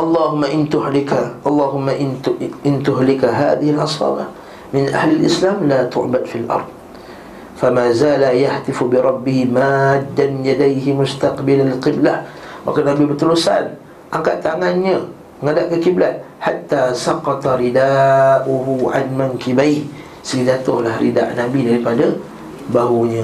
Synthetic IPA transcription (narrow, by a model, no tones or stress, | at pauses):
ʔɑlˤːɑːɦʊmːaʔɪnt̪ʊhlɪkaʔɑlˤːɑːɦʊmːaʔʔɪnt̪ʊɦlɪkaɦa̰ːðɪhɪlʔɑsˤɑ̰ːbah | mɪnʔa̰hlalʔɪslaːmlat̪ʊ̰ʕbad̪filʔɑ̰ɾˤd̪̚ˤ | famaːzaːlajaht̪ɪfubɪɾˤɑbːɪhɪmaːad̪ːamɪnjad̪ajɦɪmʊst̪aqbɪlalɪqɪblahma̰kanabibərt̪əlusa̰n | ʔaŋkaʔt̪ːaŋanɲə | məŋadaʔkəkiblat̪̚ħat̪ːaːsɑqɑt̪aɾidaʔuɦuʕa̰nmaŋkibajh | səɡidat̪ʊhlahrḭda̰ʔnabidaɾipada | baɦuɲə